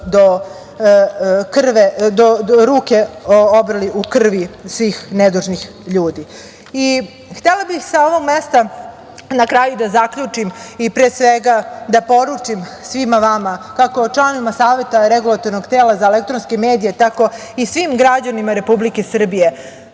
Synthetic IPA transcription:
d̪o | kr̩ʋed̪oɾuːke̞obɾaliʔukr̩ʋisʋiːxned̪uʒnix | ʎuːd̪i | i | xt̪elabixsao̞ʋoɡmest̪a | nakɾaːjud̪azakʎut͡ʂimipɾesʋeɡad̪apo̞ɾut͡ʂimsʋimaʋamakakoʈ͡ʂlˠanoʋimasaːʋe̞t̪aɾeɡulˠat̪o̞ɾnoɡt̪eːlazaelek̚t̪ɾonskemeːd̪ije̞t̪ako̞ | isʋimɡɾad͡ʑanimaɾe̞publike̞sr̩bije̞

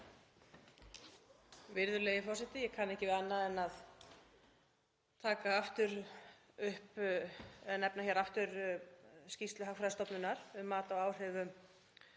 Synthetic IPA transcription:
vɪɾðʏleːjɪfɔrsɪt̪ɪjɛkʰanːɛhcɪvɪanːaðɛnað | t̪ʰaːkaaft̪ʏɾ | ʏhp | ɛnɛpnaçɛɾaft̪ʏɾ | scist̪lʏɦakfɾajðɪst̪ɔpnʏnaɾ̥ʏmːaːt̪awaːwr̥ɛvʏm

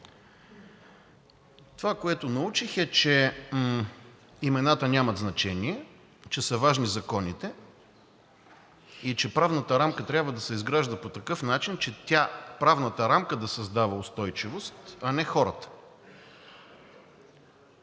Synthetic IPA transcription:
t̪ovakoɛt̪ʊnɐut͡ʃixɛt͡ʃɛ | imɛnat̪ənʲamɐt̪znɐt͡ʃɛniɛ | t͡ʃɛsəvaʒnizɐkɔnit̪ɛ | it͡ʃɛpɾavnət̪əɾamkət̪ɾʲjabvəd̪ɐsɛizɡɾaʒd̪əpot̪ɐkɤfnat͡ʃint͡ʃɛt̪ʲapɾavnət̪əɾamkəd̪ɐsɐzd̪avəost̪ɔjt͡ʃivost̪ɐnɛxɔɾət̪ə̥

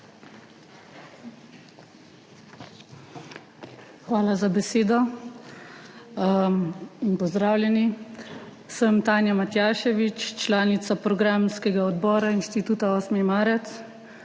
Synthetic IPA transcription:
xʋaːlazabɛseːd̪ɔ | inpɔzd̪ɾaːwlʲjɛni | səmt̪aːnjamat̪jaːʃɛʋit͡ʃt͡ʃlaːnit̪sapɾɔɡɾaːmskɛɡaɔd̪bɔːɾainʃt̪it̪uːt̪aɔːsmɛmaːɾɛt̪s

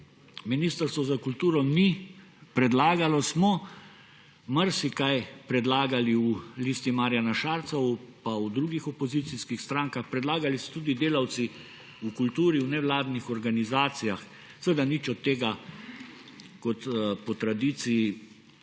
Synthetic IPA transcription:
miniːst̪əɾst̪ʋɔzakult̪uːɾɔni | pɾɛd̪laːɡalɔsmɔ | maɾsikajpɾɛd̪laːɡaliulist̪imaːɾjanaʃaːɾt̪sɔwpaud̪ɾuːɡixɔpɔzit̪siskixst̪ɾaːŋkaxpɾɛd̪laːɡalisɔ̥t̪uːd̪id̪eːlawt̪si | ukult̪uːɾiuwnɛʋlaːd̪nixɔɾɡanizaːt̪sijax | sʋəd̪anit͡ʃɔt̪ːeːɡa | kɔt̪pɔt̪ɾad̪it̪sii

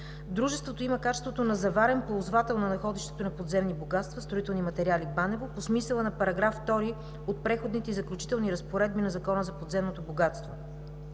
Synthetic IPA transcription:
d̪ɾuʒɛst̪vot̪oimɐkat͡ʃɛst̪vot̪onɐzɐvaɾɛnpoozvat̪ɛlˠnɐnɐxɔd̪iʃt̪ɛ̥t̪onɐpod̪zɛmniboɡat̪st̪vɐst̪ɾoit̪ɛlˠnimɐt̪ɛɾialibanɛvoposmisɛlˠənɐpɐɾɐɡɾaft̪ɔɾi | ot̪̚pɾɛxod̪nit̪ɛizɐklʲut͡ʃi̥t̪ɛlˠniɾɐspoɾɛd̪̚binɐzɐkɔnəzɐpod̪zɛmnot̪oboɡat̪st̪vo

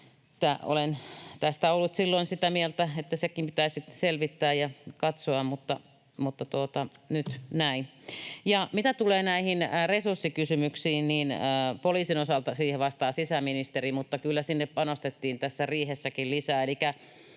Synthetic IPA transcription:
e̥t̪ːæo̰lent̪æst̪æolːut̪silːoinsit̪æmielt̪æet̪ːæsekimpit̪æisiselʋit̪ːæːjɑkɑt̪soɑmmut̪ːɑ | mut̪ːɑt̪uot̪ɑnyt̪næinjɑmit̪æt̪uleːnæihinresursːikysymyksiːnniːnːpoliːsinosɑlt̪ɑsiːheʋɑst̪ɑːsisæminist̪erimut̪ːɑkylːæsinːeppɑnost̪et̪ːiːnt̪æsːæriːhesːækillisæːelikæ

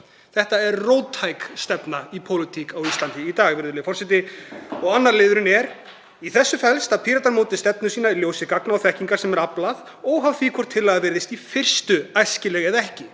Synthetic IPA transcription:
θɛht̪aɛɾroːwt̪ʰːajkst̪ɛpnaipʰowlɪt̪ʰikawist̪lant̪ɪit̪aːɣvɪɾðʏlɪfɔr̥sɛt̪ɪɔɣanːaɾlɪːðʏɾɪnɛɾ | iθɛsːʏfɛlst̪apʰiːɾat̪aɾmoːwt̪ɪst̪ɛpnʏsiːnailjoːwsɪkaknawθɛhciŋkḁsɛmɛɾaplað | ɔɣɦavθiːkʰɔɾ̥t̪ʰːɪlaɣðavɪɾðɪst̪ifɪr̥st̪ʏajscɪlɛːɣɛðɛhcɪ

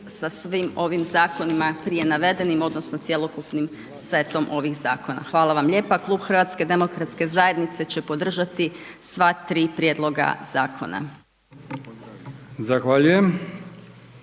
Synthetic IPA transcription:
sasʋimo̞ʋimzaːko̞nimapɾije̞naʋe̞d̪e̞nimo̞d̪no̞sno̞t̪sjelˠo̞kupnim | sʋe̞t̪o̞mʔo̞ʋixzaːko̞na̰xʋaːlaʋamʎe̞ːpaklˠuːbxr̩ʋat̪ske̞d̪e̞mo̞kɾat̪ske̞zaje̞d̪nit̪se̞t͡ɕe̞po̞d̪r̩ʒat̪isʋat̪ɾiːpɾjed̪lˠo̞ɡa̰z̥aːkʰo̞̰na̰ | zaxʋaʎujem

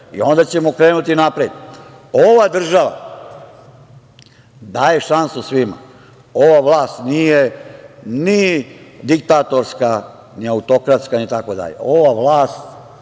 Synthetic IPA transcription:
ḭo̞nd̪at͡ɕe̞mokɾe̞ːnut̪inapɾed̪ | oʋad̪r̩ʒaʋa̰ | d̪aːje̞ʃansusʋima̰ | o̞ʋaʋlaːst̪nije̞ | nid̪ik̚t̪at̪o̞ɾska | niaut̪o̞kɾat̪skanit̪ako̞d̪a̰ʎḛoʋaʋlaːst̪

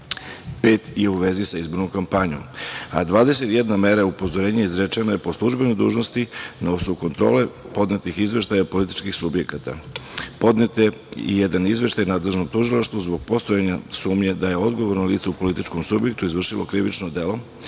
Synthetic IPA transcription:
pet̪je̞uʋe̞zisaizbo̞ɾnomkampaɲo̰ma̰d̪ʋaːd̪ese̞t̪jed̪name̞ɾaupo̞zo̞ɾeːɲeizɾet͡ʃenojepo̞slˠuʒbe̞nojd̪ṵːʒno̞st̪inausouko̞nt̪ɾo̞̰ːle̞ | po̞d̪net̪ixizʋʲe̞ʃt̪ajapo̞lit̪i̥t͡ʃkixsubje̞kat̪a̰po̞d̪net̪eḭjed̪anizʋe̞ʃt̪ajnaːd̪le̞ʒno̞mt̪uʒilaʃt̪ʋuzbo̞ɡ̚po̞st̪ojeɲasuːmɲe̞d̪ajeo̞d̪ɡo̞ʋo̞ɾnaliːt̪seupo̞lit̪it͡ʃko̞msubje̞k̚t̪uizʋr̩ʃilˠokɾiʋit͡ʃnod̪e̞lo̞

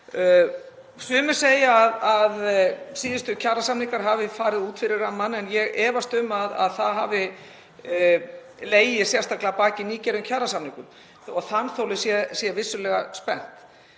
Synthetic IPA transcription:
sʏːmʏ̥seːjaːðaðsiːðɪst̪ʏcʰaːrasamniŋkaɾ̥ɦavɪfaːɾɪðuːt̪fɪɾɪɾamːanɛnjɛɣʔɛːvast̪ʏmaða̰ðθaðɦaːvɪ | leːjɪsjɛrst̪aklapaːcɪniːcɛɾʏmcʰarasamniŋkʏm | ɔɣθanːθowlɪsjɛsjɛvɪsːʏlɛɣaspɛn̥t̪

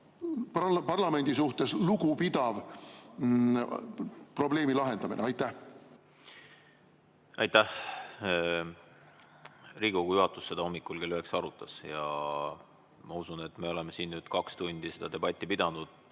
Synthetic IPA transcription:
ppɑrlɑme̞nʲd̪̥isuht̪e̞sluɡupid̪̥ɑv | pro̞ble̞ːmilɑɦe̞nd̪̥ɑmineɑjt̪ˑːæh | ɑ̰jt̪ːæh | riːɡoɡujuɦɑt̪ːˑusːe̞d̪̥ɑo̞mːikːˑulkelyɦeksɑɾut̪ːˑɑsjɑ | mɑusune̞t̪ːme̞o̞lemesiːnnyːd̪̥kɑkst̪unʲd̪̥ise̞d̪̥ɑd̪e̞b̥ɑt̪ʲːˑipid̪̥ɑnud̪̥

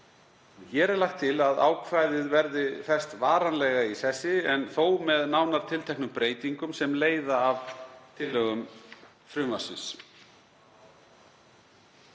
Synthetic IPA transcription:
çɛɾɛɾlaxt̪ʰːɪlaða̰ːwkʰvajðɪðvɛɾðɪfɛst̪vaːɾanlɛɣaisɛsɪɛnθoːwmɛðnaːwnaɾ̥t̪ʰɪlt̪ʰɛknʏmpɾeːjt̪iŋkʏmsɛmleːjðaːvt̪ʰɪlːœɣʏm | fɾʏmasɪ̰ns

